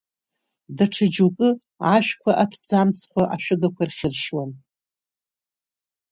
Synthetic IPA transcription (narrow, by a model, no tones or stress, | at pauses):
daʈ͡ʂʰad͡ʒukʼɨ | aʃᶣkʷʰaʔatʰd͡zamt͡sʰkʷʰaʔaʃᶣɨɡakʷʰarχʲɪrʃwan